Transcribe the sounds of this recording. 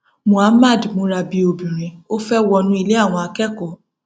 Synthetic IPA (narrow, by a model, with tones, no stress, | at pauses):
mũ˨a˦ma˦˨dmũ˨˦ɾa˧bi˨˦o˨bĩ˨ɾ̃ĩ˨˦o˦fɛ˦wɔ˧nũ˦i˧le˦a˦˨w̃ɔ̃˧a˧kɛ˦kɔ˦˨